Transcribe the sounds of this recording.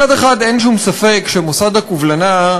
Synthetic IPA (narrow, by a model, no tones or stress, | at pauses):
ad̪eχad̪enʃumsafekʃemosad̪akuvlana